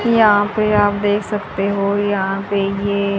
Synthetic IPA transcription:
jɐɦãpeaːp̚d̪eːkʰsɐk̚t̪eɦojɐɦãpejeː

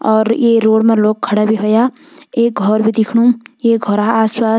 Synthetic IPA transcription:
ɔːɾjeɾoːɽmeloːk̚kʰːɐɽabʱiɦoja | eːk̚ɡʱɔɾbʱid̪ɪkʰɽũjeɡʱɔɾaaːswaː

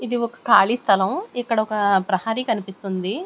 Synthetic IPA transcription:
id̪iɔkɐ̥kaːɭist̪ʰɐlɐmɛkːɐɽɐɔkɐpɾɐhaːɾikɐnipist̪und̪i

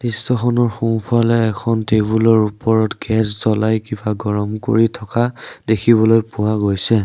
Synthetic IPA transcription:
disːɔxʰɔnɔɹxupʰalɛːkʰɔntebulɔɹupɔɹɔtɡɛszɔlajkibaɡɔɹɔmko̰ɹitʰɔkadekʰiβɔlojpʊwaɡojsɛ

